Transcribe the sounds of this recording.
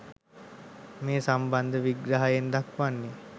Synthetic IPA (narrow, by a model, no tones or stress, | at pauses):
meːsamband̪əʋiɡɾaɦajend̪akʋanːe